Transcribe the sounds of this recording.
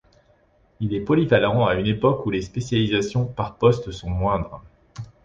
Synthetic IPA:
ilɛpɔlivalɑ̃aynepɔkulespesjalizasjɔ̃paʁpɔst̪sɔ̃mwɛ̃d̪ʁ

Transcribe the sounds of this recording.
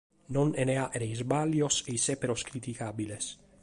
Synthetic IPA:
noneneaʔeɾejzbaljosejsepeɾoskɾit̪ikabiles

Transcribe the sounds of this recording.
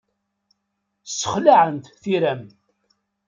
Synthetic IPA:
sːə̥χlaʕənt̪θiɾæm

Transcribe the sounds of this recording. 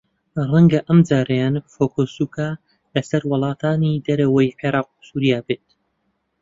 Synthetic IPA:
rɐŋɡɐʔɐmd͡ʒaːɾɐjaːnfoːkʰosuːkʰaː | lɐsɐɾwɨlˠɑːt̪ʰaːnid̪ɐɾɐwɐjʕeɾɑːq̚u̥suːɾijaːbeːt̪̚

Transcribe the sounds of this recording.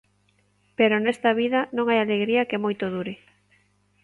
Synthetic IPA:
peɾonɛst̪ɐβiðɐnõŋajaleɣɾiɐkemojt̪oð̞uɾɪ

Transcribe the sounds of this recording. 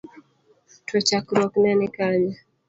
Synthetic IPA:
tɔt͡ʃakɾɔknanɪkaɲa

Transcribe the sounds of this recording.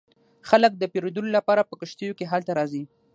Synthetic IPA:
xalək̚d̪əpeɾod̪əlolapɑɾapəkəʃt̪əjokeɦalt̪aɾɑzi

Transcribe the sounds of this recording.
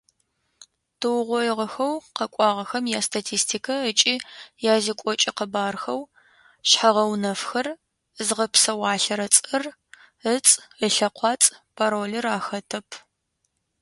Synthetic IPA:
tʰɨwʁʷɔjɪʁɐxɐwqɐkʷʼɑːʁɐxɐmjaːstʰatʰiːstʰiːkʰɐət͡ʃʼiːjaːzikʷʼɔt͡ʃʼɪqəbaːrxɐw | ɕħaʁɐwnɐfxɐr | zʁɐpsɐwɑːɬɐɾɐt͡sʼɨr | ət͡sʼəɬɐqʷɑːt͡sʼpʰaɾoːlɐraːxɐtʰɐpʰ

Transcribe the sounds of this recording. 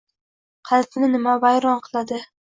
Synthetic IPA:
qʰɑlp̪nɪnɪmavajɾɒnqʰɨ̥lˠad̪ɪ

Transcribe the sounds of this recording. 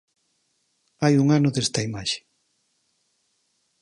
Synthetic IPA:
ajuŋanʊðest̪ɐimaʃe̥

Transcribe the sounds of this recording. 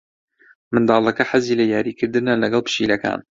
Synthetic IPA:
mɨnd̪ɑːlˠɐkɐħaziːlɐjaːɾiːkʰɨɾd̪ɨnɐlɐɡɐlˠpɨ̥ʃilɐka̰ːn

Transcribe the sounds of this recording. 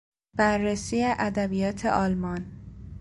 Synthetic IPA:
b̥æɾːesiːjeʔæd̪æbijɒːt̪ʰḛʔɒːlmɒn

